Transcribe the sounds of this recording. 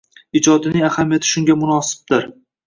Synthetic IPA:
ɪd͡ʒɒd̪ɪnɪŋahamijat̪ʰɪ̥ʃʊŋɡʲamʊnɒsɪ̥b̚d̪ɪɾ

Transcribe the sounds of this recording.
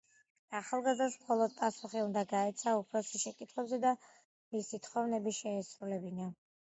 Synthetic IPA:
aχalˠɡazd̪asmχɔlˠɔd̪̚pʼasuχiund̪aɡaɛt̪sʰaupʰɾɔsisʃɛkʼit̪ʰχwɛbzɛd̪a | misit̪ʰχɔvnɛbiʃɛːsɾulɛbina

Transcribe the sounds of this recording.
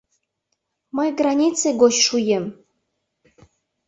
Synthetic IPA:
məjɡranʲit͡seɡoɕʲʃujem

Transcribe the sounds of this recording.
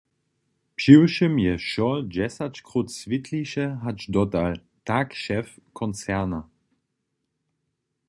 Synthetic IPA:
pʃiwʃəmjɛʃɔd͡ʑɛsat͡ɕkʁutsvitʰliʃɛɦat͡ʃdɔtal | takʃɛfkʰɔnt͡sɛʁna

